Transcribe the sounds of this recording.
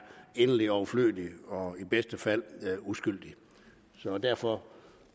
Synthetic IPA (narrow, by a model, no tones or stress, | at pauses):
e̝nəliɒʊflø̰ːd̥iɒ̽ib̥esd̥əfæl̰usɡ̥yl̰d̥i | sɒ̽d̥æɐfɒ̽